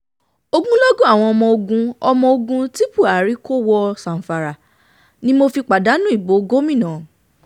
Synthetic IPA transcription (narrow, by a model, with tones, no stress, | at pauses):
o˧ɡũ˦lɔ˦ɡõ˦a˦˨w̃ɔ̃˧ɔ˧mɔ̃˧o˧ɡũ˧ɔ˧mɔ̃˧o˧ɡũ˧ti˦pu˦˨a˨˦ɾi˨˦ko˦wɔ˧sã˨n̩˨fa˨ɾa˨ | nĩ˦mo˧fi˧k͡pa˨da˨˦nũ˦i˦˨bo˨˦ɡo˦mĩ˦˨nã˨